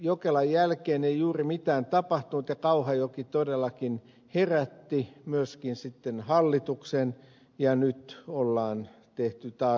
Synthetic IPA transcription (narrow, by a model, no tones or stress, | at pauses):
jokelɑjjælkeːneijuːrimit̪æːnt̪ɑpɑht̪unut̪jɑkɑuhɑjokit̪odelːɑkin | heræt̪ːimyøskinsit̪ːenhɑlːit̪uksen | jɑnyt̪olːɑːn | t̪eht̪yt̪ɑː